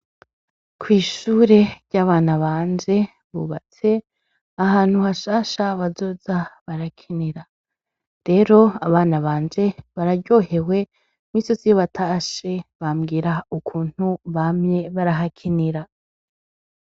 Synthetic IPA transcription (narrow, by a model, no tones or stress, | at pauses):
kwiːʃuːɾe̞ɾɟaːβaːnaβaːnd͡ʒe̞ | βṵːβat͡se̞ | aɦaːn̥huhaʃaːʃaβazo̞zaβaɾakʰiniɾa | ɾe̞ɾo̞aβaːnaβaːnd͡ʒe̞βaɾaɟo̞ɦe̞we̞ | mwisosijoβatʰaʃe̞βamɡiːɾaukʰuːn̥huβamɲe̞βaɾaɦakʰiniɾa